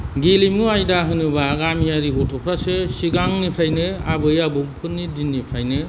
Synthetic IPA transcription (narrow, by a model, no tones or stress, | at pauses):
ɡilimuajdaɦɯnɯbaɡamiaɾibɔtʰɔpʰɾasɯsiɡaŋnipʰɾajnɯabɯjabuŋpʰɯnːidinːipʰɾajnɯ